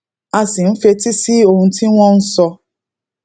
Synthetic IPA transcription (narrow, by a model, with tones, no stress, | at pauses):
a˦sɪ˨m̩˦fe˦ti˦si˦o˨ŋ̩˨ti˦ŋʷɔ̃˦n̩˦sɔ˧